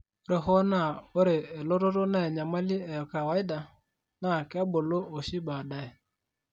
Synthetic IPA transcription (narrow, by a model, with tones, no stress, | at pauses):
ɾe˨ɦo˦na˨o˦ɾe˨e˨lo˦ɾo˦ɾo˦na˨e˨ɲa˨ma˦li˦e˨ka˨wa˨˦i˦da˨ | na˨ka˦bʊ˨lo˦o˨ʃi˦ba˨da˨e˨